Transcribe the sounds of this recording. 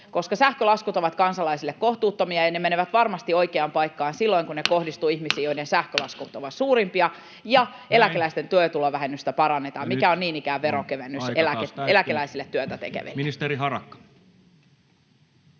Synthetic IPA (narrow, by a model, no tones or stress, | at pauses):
ko̞skɑsæhkølɑskut̪o̞ʋɑt̪kɑnsɑlɑisilːekko̞ht̪uːt̪ːomiɑjɑne̞meneʋæt̪ʋɑrmɑst̪io̞jkeɑmpɑjkːɑːnsilːo̞iŋkuneko̞hdist̪uːihmisiːjoidensæhkølɑskut̪o̞ʋɑt̪suːɾimpiɑ | jɑ | e̞lækelæist̪e̞nt̪yøt̪uloʋæɦenːyst̪æpɑɾɑnːe̞t̪ɑːmmikæonniːnikæːeɾokeʋenːyselæelækelæisilːet̪ːyøt̪æt̪ḛkḛʋḛlist̪eɾiɦɑrɑkːɑ̥